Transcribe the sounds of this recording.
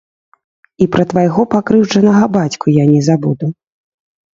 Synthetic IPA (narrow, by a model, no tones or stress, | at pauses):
ipɾɐt̪vajɣɔpakɾɨwd͡ʐɐnɐɣɐbat͡sʲkujanʲɛzabud̪u